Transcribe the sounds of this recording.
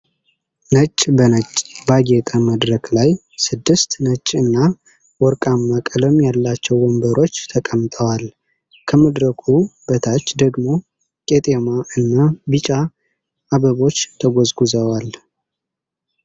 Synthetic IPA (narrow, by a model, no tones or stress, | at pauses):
nət͡ʃʼːbənət͡ʃʼːbaɡet̪ʼəməd̪ɾəklaj | sɨd̪ːɨst̪nət͡ʃʼːɨnːa | wɔɾkʼamːakʼələmjalːat͡ʃːɛwːɔmbəɾo̞t͡ʃːt̪ʰəkʼəmt̪ʼəwal | kʰəməd̪ɾəkʰub̥ət̪ʰat͡ʃːd̪əɡmo̞ | kʼet̪ʼemaɨnːabɨt͡ʃʼaː | βəβo̞t͡ʃːt̪ʰəɡozɡuzəwal